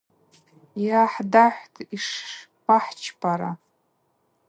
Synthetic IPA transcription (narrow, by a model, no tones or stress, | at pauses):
jaħdaħʷtʰiʂ | paħt͡ʃʰpʰʼaɾa